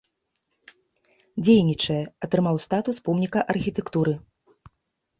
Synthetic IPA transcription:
d͡zʲejnʲit͡ʂɐjɛɐt̪ɾɨmawst̪at̪uspɔmnʲikɐʔɐrxʲit̪ɛkt̪uɾɨ

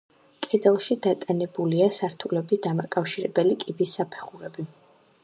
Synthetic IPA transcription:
kʼɛd̪zɛlˠʃid̪at̪ʼanɛbuliasaɾt̪ʰulɛbisd̪amakʼafʃiɾɛ̰bɛlikʼibisːapʰɛ̥χuɾɛbi

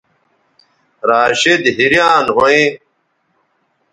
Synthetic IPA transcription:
ɾaːɕed̪ɦiɾjaːnɦoẽ

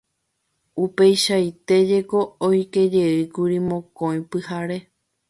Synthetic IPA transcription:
upe̞jʃait̪e̞d͡ʒe̞ko̞ojke̞d͡ʒe̞ɨkuɾimõ̞kõj̃pɨhaɾe̞

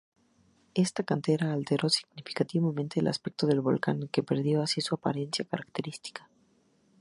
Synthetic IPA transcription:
e̞st̪akant̪e̞ɾaːlt̪e̞ɾo̞si̥ɣnifi̥kat̪iβamẽnt̪e̞ːlʔa̰spek̚t̪o̞ðe̞lβo̞̰lkaŋke̞pe̞ɾðjo̞asisuapa̰ɾe̞nsjakaɾakt̪e̞ɾist̪i̥kḁ

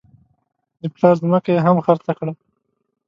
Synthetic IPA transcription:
d̪əplɑɾzməkeeɦamxaɾt͡sakɽa

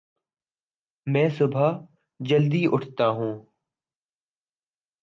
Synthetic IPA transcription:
mɛ̃ːsʊbʱaː | d͡ʒəld̪iːʔʊʈʰt̪aːɦũː

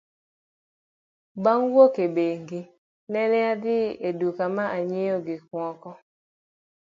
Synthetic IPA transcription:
baŋwokebeŋɡi | nɛnɛad̪ɪedukamaʔaɲɪjoɡɪkwɔkɔ

